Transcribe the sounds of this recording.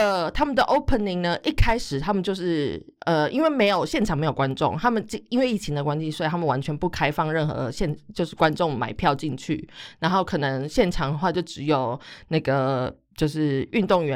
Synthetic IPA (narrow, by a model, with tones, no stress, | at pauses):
ə˧˩t̪ʰa˥mə˨nd̪ə˨˩ʔo˥ʊpʰə˨ni˨˩ŋnə˧ʔi˥˩kʰa˥ɪʂɻ̩˨˩t̪ʰa˥mə˨nt͡ɕjo˥˧ʊʂɻ̩˥˩ | ə˨ḭ˥nwe˥˩ɪme˧˥ɪjo˨˩ʊɕjɛ˥˩nʈ͡ʂʰɑ˨˩ŋme˧˥ɪjo˨˩kwa˦nʈ͡ʂʊ̰˥˨ŋt̪ʰa˥mə˨nt͡ɕi˥˧i˥nwe˥˧ɪi˥˩t͡ɕʰi˧ŋd̪ə˨kwa˦nɕi˧˥swɔ˧˥˨t̪ʰa˥mə˨nwa˧˦nt͡ɕʰɥɛ˧˥npu˥˩kʰa˥ɪfɑ˥˧ŋɻə˥˩nxɤ̰˧˦ɕjɛ˥˧nt͡ɕjo˥˧ʊʂɻ̩˥˩kwa˦˥nʈ͡ʂʊ˥˩ŋma̰˨˩ɪpʰjɑ˥˧ʊt͡ɕi˥˧ŋt͡ɕʰy̰˥˩na˧˥nxo˥˩ʊkʰɤ˨˩nə˧˦ŋɕjɛ˥˩nʈ͡ʂʰɑ˨˩ŋd̪ə˧xwa˥˧t͡ɕjo˥˩ʊʈ͡ʂɻ̩˧˥jo˨˩ʊna˥˩ɡə˩ | t͡ɕjo˥˧ʊʂɻ̩˥˩y˥˧nt̪ʊ˥˩ŋɥɛ˧˦